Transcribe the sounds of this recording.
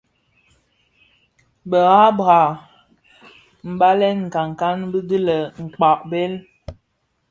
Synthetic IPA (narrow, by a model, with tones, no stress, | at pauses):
bə˨ɣa˦bɣa˨ | m̩˨ba˦lɛ˦nŋ̩˨ka˨ŋ˨ka˦nbə˦də˦lə˨ŋ̩˨k͡pa˨ʔ̚bɛ˦l